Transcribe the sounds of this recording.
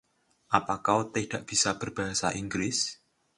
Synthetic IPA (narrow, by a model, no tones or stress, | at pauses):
ʔapakawt̪ed̥aʔb̥isab̥ərb̥aɦasa̰ʔiŋɡlɪs